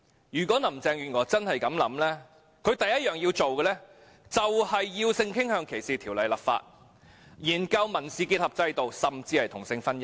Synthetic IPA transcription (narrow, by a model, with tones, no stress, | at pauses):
jyː˨˩kʷɔː˨˥nɐ˨˩mt͡sɛː˧ŋɥyː˨˩nŋɔː˨˩t͡sɐ˥nhɐ˨jkɐ˨˥mlɐ˨˥mlɛː˥ | kʰɵ˨˧ɥt̪ɐ˨jɐ˥t̚jœː˨˩ŋji˧wt͡ʃo˨wkɛ˧lɛː˥ | t͡sɐ˨whɐ˨jːiː˧wsɪ˧ŋkʰɪ˥ŋhœː˧ŋkʰe˨˩jsiː˨t̪ʰiː˨˩wlɐ˨˧jlɐ˨˩p̚fa̰ː˧t̚ | jiː˨˩nkɐ˧wmɐ˨˩nsiː˨ki˧t̚hɐ˨p̚t͡sɐ˧jt̪o˨wsɐ˨mt͡siː˧hɐ˨jt̪ʰʊ˨˩ŋsɪ˧ŋfɐ˥njɐ˥